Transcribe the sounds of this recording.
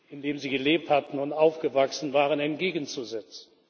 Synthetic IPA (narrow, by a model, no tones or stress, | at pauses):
ɪndeːmziːɡəleːp̚thatn̩ʊntaʊfɡ̥əvaksn̩vaːʁənɛnt̚ɡ̥eːɡən̩t͡suzɛt͡sn̩